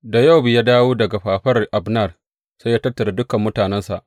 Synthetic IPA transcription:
da˨ja˦˨wbɪ˨ja˦daː˦woː˦dɐ˨ɡa˨ɸaː˨ɸɐ˦rʔa˨bnɐ˦˨r | sa˦jaː˦tɐ˦rtːɐ˨ɾa˨dʊ˦kɐ˨mːʊ˦taː˨nɛ˦nsa̰˨ʔ

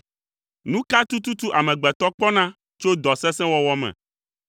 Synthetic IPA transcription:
nũ˦ka˦t̪u˦t̪u˦t̪u˦ʔa˨mɛ̃˨ɡ͡bɛ˨t̪ɔ˦k͡pɔ˦nã˦ | t͡ʃo˦d̪ɔ˨sɛ̃˦sɛ̃˦wɔ˦wɔ˦mɛ̰̃˨

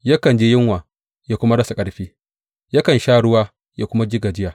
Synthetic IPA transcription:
ja˦kɐ˨nd͡ʒeː˦jɪ˦ŋwaː˨ | jaː˦kʷʊ˦ma˦ɽɐ˦sa˨kʼɐ˦ɽɸiː˦ | ja˦kɐ˨nʃaː˦ɽʊ˦waː˦ | jaː˦kʷʊ˦ma˦d͡ʒɪ˦ɡaː˨d͡ʒɪ˦jaː˨

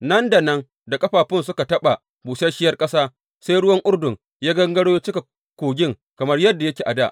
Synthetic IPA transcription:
nɐ˦nda˨nɐ˦ŋ | da˨kʼɐ˦ɸaː˨ɸɪ˦nsʊ˦ka˨tɐ˦ɓa˨ | buː˨sɐ˦ʃɪ˦jɐ˦rkʼɐ˦saː˦ | sa˦jɽʊ˦wɐ˦ŋʔʊ˦rdʊ˨ŋ | jaː˦ɡɐ˦ŋɡɐ˦ɽoː˦ja˦t͡ʃɪ˦ka˨ | kʷoː˨ɡʲɪ˦ŋ | kɐ˨mɐ˦rjɐ˦dːa˨jɐ˦kʲeː˨ʔa˨da˦˨ʔ

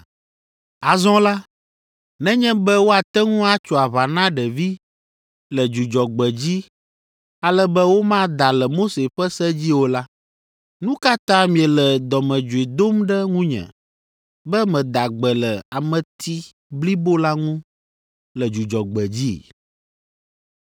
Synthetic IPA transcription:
a˨zɔ̃˦la˦ | nɛ̃˦ɲɛ̃˦bɛ˦wo˦a˨t̪ɛ˦ŋũ˦a˦t͡ʃɔ˨a˨βa˨nã˦ɖɛ˨vi˦ | lɛ˨d͡ʒu˨d͡ʒɔ˨ɡ͡bɛ˨d͡ʑi˦ | a˨lɛ˦bɛ˦wo˦mã˦d̪a˨lɛ˨mo˦se˨ɸɛ˦sɛ˦d͡ʑi˦wo˦la˦ | nũ˦ka˦t̪ã˦mĩ˨ɛ˨lɛ˨d̪ɔ˨mɛ̃˨d͡ʒu˨e˨d̪o˦mɖɛ˦ŋũ˦ɲɛ̰̃˨ | bɛ˦mɛ̃˨d̪a˨ɡ͡bɛ˨lɛ˨a˨mɛ̃˨t̪ʰi˦ | bli˦bo˦la˦ŋũ˦ | lɛ˨d͡ʒu˨d͡ʒɔ˨ɡ͡bɛ˨d͡ʑi˦˨

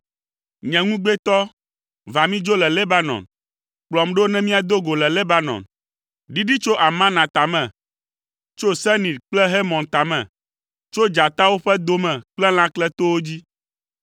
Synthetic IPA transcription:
ɲɛ̃˨ŋũ˦ɡ͡be˦t̪ɔ˦ | va˨mĩ˦d͡ʒo˦lɛ˨le˦ba˦nɔ̰̃˨n | k͡plɔ˨mɖo˦nɛ̃˦mĩ˦a˨d̪o˦ɡo˨lɛ˨le˦ba˦nɔ̰̃˨n | ɖi˦ɖi˦t͡ʃo˦ʔa˨mã˦nã˨t̪a˨mɛ̃˨ | t͡ʃo˦sɛ˦nĩ˨dk͡plɛ˦ɦe˦mɔ̃˨nt̪a˨mɛ̃˨ | t͡ʃo˦d͡ʒa˨t̪a˦wo˦ɸɛ˦d̪o˦mɛ̃˨k͡plɛ˦l̃ã˦klɛ˦t̪o˦wo˦d͡ʑi˦

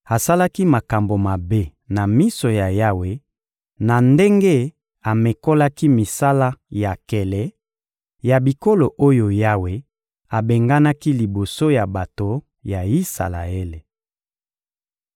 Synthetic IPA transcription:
a˨sa˦la˦ki˦ma˨ka˨mbo˨ma˨be˦na˨mi˦so˨ja˨ja˦we˨ | na˨nde˦ŋɡe˦ | a˨me˨ko˦la˦ki˦mi˨sa˦la˦ja˨kɛ˨lɛ˨ | ja˨bi˨ko˦lo˨ʔo˦jo˨ja˦we˨ | a˨be˨ŋɡa˦na˦ki˦li˨bo˨so˦ja˨ba˨to˨ | ja˨i˦sa̰˨la̰˨e˦le˨

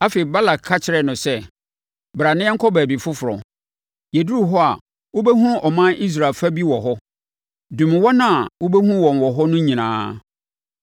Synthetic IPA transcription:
a˦fe˨ba˦la˨kʰːa˦t͡ɕʰɪ˨˦ɾɛ˨nʊ̃˨sɛ˦ | bɾa˨nɪ̃˦ɛ˦ŋ̩˦kʰɔ˦bæː˨bi˨fʊ˦fʊ˨ɾɔ̰˨ | je˨du˦u˦ɦɔ˦a˨ | wo˦be˦ɦũ˦ʔɔ˨mã˦ʔi˦s̬ɾa˨lfa˦bi˦wɔ˨ɦɔ˦ | dũ˨mɪ̃˨wɔ˦nã˦˨wo˦be˦hũ˦wɔ̃˨n˨wɔ˨ɦɔ˦nʊ̃˦ɲĩ˨nã̰ː˨˦

